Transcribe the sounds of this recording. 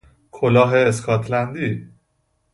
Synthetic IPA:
kʰolɒːɦeːskʰɒt̪ʰlænd̪iː

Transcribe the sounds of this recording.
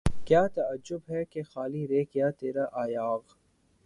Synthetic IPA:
kjaːt̪ɐəd͡ʒʊbɦɛkexaːliɾeːkjaːt̪eːɾaʔaːjaːɣ

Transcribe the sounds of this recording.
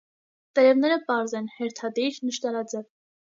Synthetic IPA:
t̪əɾɛvnɛɾəpɑɾzɛnhɛɾt̪ʰɑd̪iɾnəʃt̪ɑɾɑd͡zɛv

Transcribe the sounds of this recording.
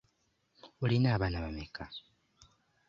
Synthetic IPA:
ulinaːβanaβamekʰa

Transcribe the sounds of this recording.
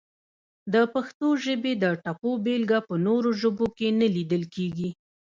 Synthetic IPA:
d̪əpaxt̪oʒəbed̪əʈapobelɡapənoɾoʒəbokenəlid̪əlkeɡi

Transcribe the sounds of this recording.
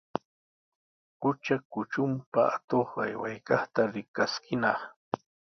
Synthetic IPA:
kʊt͡ʃakʊt͡ʃʊmpaat̪oχa̰jwa̰jkɑχt̪aɾɪkaskɪnɑχ

